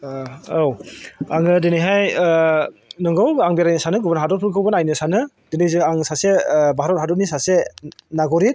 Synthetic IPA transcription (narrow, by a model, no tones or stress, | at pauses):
owaŋɯdenijɦaj | nɯŋɡɯwaŋbeɾajnɯsanɯɡɯbɯnɦadɔt̚pʰɯɡɯwbɯnajnɯsanɯ | dinejzɯaŋsasebaɦɾɔt̚ɦadɔt̚nisasenaɡɔɾit̚